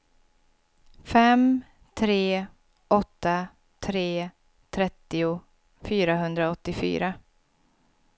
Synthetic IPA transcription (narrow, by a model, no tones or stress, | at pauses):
fɛm | t̪ʰɾeː | ʔɔt̪ːa | t̪ʰɾeː | t̪ʰɾɛt̪ːɪʊ | fyːɾaɦɵnd̪ɾaɔt̪ːɪfy̰ːɾa